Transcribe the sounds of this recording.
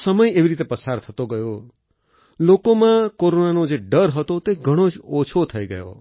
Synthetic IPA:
səməjeʋiɾit̪epəsaɾt̪ʰət̪oɡəjo | lokomãkoɾonanod͡ʒeɖəɾɦət̪ot̪eɡʱəɽ̃od͡ʒot͡ʃʰot̪ʰəiɡəjo̰

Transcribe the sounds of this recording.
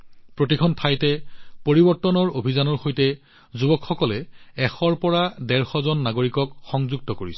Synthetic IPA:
pɹotikʰɔntʰajtɛpoɹibɔɹtːɔnɔɹobʱizanɔɹxojtɛ | zubɔkxɔkɔlɛɛxɔɹpɔɹadɛɹxɔzɔnːaɡoɹikɔkxɔŋzuɡ̚tɔkoɹisɛ

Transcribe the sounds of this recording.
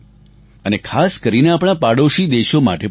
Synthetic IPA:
ənekʰaskəɾineapɽ̃apaɽoʃid̪eʃoma̰ʈe

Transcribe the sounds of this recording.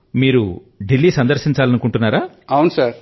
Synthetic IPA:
miːɾu | ɖilːiːsɐnd̪ɐɾʂiɲt͡ʃaːlɐnukuɳʈunːaːɾaː | awunusaːɾ

